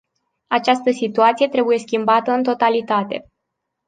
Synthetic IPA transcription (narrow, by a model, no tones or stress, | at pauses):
at͡ʃast̪əsit̪uat̪sije̞t̪ɾe̞buje̞skʲimbat̪əɨnt̪o̞t̪alit̪at̪e̞̰